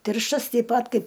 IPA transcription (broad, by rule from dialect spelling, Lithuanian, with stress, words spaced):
ˈtʲɪrʃtɐs tʲɛɪp ˈpɐt ˈkɐɪp